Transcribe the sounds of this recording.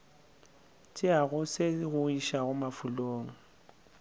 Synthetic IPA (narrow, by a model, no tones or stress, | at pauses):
t͡ʃʼɪaɣʊsɪɣʊiʃaɣʊmafuloːŋ̩